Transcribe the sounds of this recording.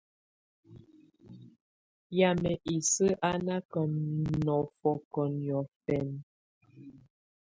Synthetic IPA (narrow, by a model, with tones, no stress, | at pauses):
ja˨mɛ˨ʔi˨sə˦ʔa˦na˦kɔ˨nnɔ˨fɔ˨kɔ˨njɔ˨fɛ˨n˨